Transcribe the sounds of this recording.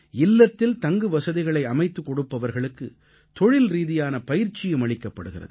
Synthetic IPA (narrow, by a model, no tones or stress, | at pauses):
ɪlːɐt̪ːɪlt̪ɐŋɡɯʋɐsɐðɪɣɐɭɐɪɐmɐɪt̪ːɯkːɔɽɯpːɐʋɐɾɣɐɭɯkːɯ | t̪ɔɻɪlɾiːðɪjaːnɐpɐjɪɾt͡ʃːɪjɯmɐɭɪkːɐpːɐɽɯɣɪrɐ̰ðɯ